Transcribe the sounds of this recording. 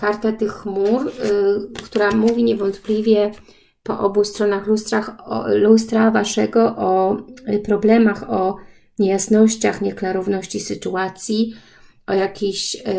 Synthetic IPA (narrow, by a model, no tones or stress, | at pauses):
kaɾt̪at̪ɘxːmuɾ | kt̪uɾamuvʲiɲɛvɔnt̪plʲivʲjɛ | pɔ̰ʔɔbust̪ɾɔnaxlust̪ɾaxlust̪ɾavaʂɛɡɔʔɔpɾɔblɛmaxɔ | ɲejasnɔɕt͡ɕaxɲɛklaɾɔvnɔɕt͡ɕisɘt̪uat̪sʲji | ʔɔjakʲeɕ